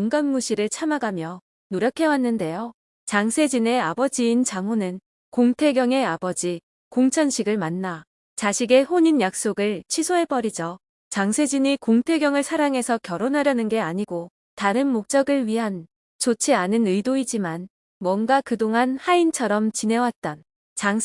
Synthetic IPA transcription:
koŋɡamɡuɕʰiɾɯɭt͡ɕʰamaɡamjʌ | noɾjʌkʰe̞wanːɯnde̞jo | t͡ɕaŋsʰe̞d͡ʑine̞abʌd͡ʑiːnt͡ɕaŋonɯn | koŋtʰe̞ɡjʌŋe̞abʌd͡ʑi | koŋt͡ɕʰʌnɕʰiɡɯɭmanːa | t͡ɕaɕʰiɡe̞ɸoɲinjak̚s͈oɡɯɭt͡ɕʰisʰoɦe̞p͈ʌɾid͡ʑʌ | t͡ɕaŋsʰe̞d͡ʑiɲikoŋtʰe̞ɡjʌŋɯɭsʰaɾaŋɦe̞sʰʌkjʌɾonɦaɾjʌnɯnɡe̞aɲiɡo | taɾɯnmok̚t͡ɕ͈ʌɡɯɭɥiɦan | t͡ɕot͡ɕʰianɯnɯidoid͡ʑiman | mwʌnɡakɯdoŋanhaint͡ɕʰʌɾʌmt͡ɕine̞wat̚t͈an | t͡ɕaŋ

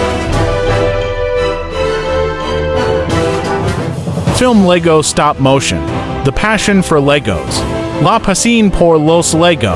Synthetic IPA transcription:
fɪlˠmlɛɡoʊ̥stɑp̚moʊʃɨ̰̃n | ðɨpʰæʃɨ̃nfə˞lɛɡo̰ʊz̥ | lɑpʰɨsĩnpʰɔɹloʊslɛɡo̰

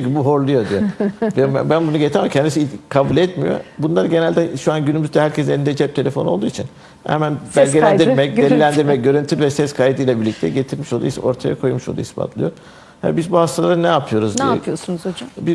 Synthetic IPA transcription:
yɲcʰibuɦoɾlˠujo̞d̪ijebɛ̰bænbunuɟet̪ʰamacʰɛnd̪isikʰabulʲɛt̪mijo̰bunlˠaɾɟe̞nælʲd̪ɛʃuanɟynymyzd̪ɛhæɾcʰɛs̬eid̪ɛd͡ʒɛp̚t̪ʰelʲe̞fo̞nold̪uːit͡ʃʰin | hɛ̰mænbælʲɡɟelʲænd̪iɾmɛc̚d̪eɾilʲænd̪iɾmɛc̚ɟø̞ɾynt̪ʰyvɛsɛskʰajd̪ɯjlʲˠabiɾlʲic̚t̪ʰɛɟe̞t̪ʰiɾmiʃo̞lˠṵjsa̰oɾt̪ʰaja̰kʰo̞jmuʃolˠṵhispʰa̰t̪lˠɯjo̞ɾ | hɛ̰bizbuhast̪ʰalˠaɾɯnɛapʰɯjo̞ɾuzijosunuzod͡ʒbi

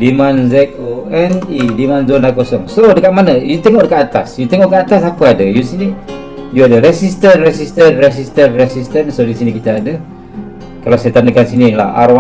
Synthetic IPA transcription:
dimanzɛk̚oɛnidimanzondakosɔŋsodəkaʔ̪̚manəjut̪eŋɔʔdəkat̪at̪a̰sjut̪eŋɔʔkaʔat̪as̬apəadəjusini | juadəɾɛsist̪ənrɛsist̪ənrɛsist̪ənrɛsist̪ənsodisinikit̪aadə | kalawsajat̪andəkansinila̰ha̰ɾa

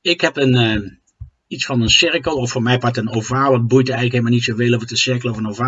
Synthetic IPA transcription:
ɪkɦɛpənə | itsfɑnənsɪɹkəlˠɔfoːɹmɛjpɑɹtənovaːʋɑd̚bujtəɛɣnləkeləmalˠnitsoveːlˠovətəsɪɹkəl̩ˠɔvənovaː

